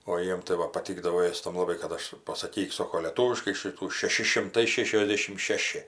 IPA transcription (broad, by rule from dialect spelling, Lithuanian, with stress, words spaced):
oː ˈjiɛm tɐɪ ˈʋɐ pɐˈtʲiːɡdɐʋoː ˈeːstɐm lˠɐˈbɐɪ kɐt ˈɐʃ pɐsɐˈkʲiːk ˈsoːkoː lʲeːˈtuːʋʲɪʃkɐɪ ˈʃʲiːtuː ʃʲɛˈʃʲɪ ʃʲɪmˈtɐɪ ˈʃʲæːʃʲoːzʲˌdʲeːʃʲɪm ˈʃʲæːʃʲɪ